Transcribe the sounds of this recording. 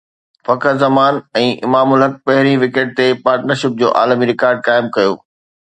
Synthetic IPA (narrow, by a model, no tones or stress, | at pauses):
fɐkəzɐmaːnɛ̃ːʔɪ̰maːmʊlɦɐk̚pɐɦɪɾiʋɪkeːʈ̚t̪epaːɾʈnəɾʃɪp̚d͡ʑo̰ːʔa̰ːlmiɾɪkaːɾɖ̚kaːɪmkɐjo̰ː